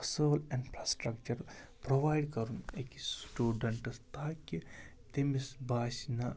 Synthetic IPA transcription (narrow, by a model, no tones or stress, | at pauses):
soːlinfʰɾaːsʈɾɐkt͡ʃɐɾ | pɾoʋaːjɖkɐɾunekisʈuːɖɐɳʈst̪aːki | t̪imisbʱaːʃina